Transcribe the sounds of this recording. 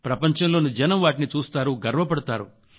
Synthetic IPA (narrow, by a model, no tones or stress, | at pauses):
pɾɐpɐɲt͡ʃɐmlo̞ːnud͡ʒɐnɐmʋaːʈinit͡ʃuːst̪aːɾuɡɐɾʋɐpɐɽut̪aːɾu